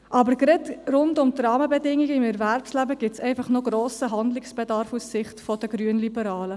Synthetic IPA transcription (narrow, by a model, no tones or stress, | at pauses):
ʔɑbəɾɡɾɛtrʊndʊmtrɑːməbɛdɪŋiɡəɪmɛɾvæɾpslæbəɡ̥ɪsɛɪfɑχnoɡɾoːsəɦɑnd̪lɪksb̥edɑɾfusːɪχtfɔd̥əɡɾyənlibəɾɑːlə